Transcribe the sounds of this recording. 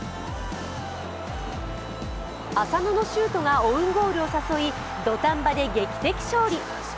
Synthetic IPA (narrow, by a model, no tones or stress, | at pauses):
asano̞no̞ɕɨːt̪o̞ɡaoɯ̟̃ŋɡo̞ːɾʲɯosaso̞i | d̪o̞t̪ãmbad̪e̞ɡe̞kʲi̥t̪e̞kʲi̥ɕo̞ːɾʲi